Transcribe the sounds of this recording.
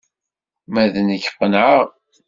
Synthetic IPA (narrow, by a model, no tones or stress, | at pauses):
mæðənəçə̥qːənʕəʁ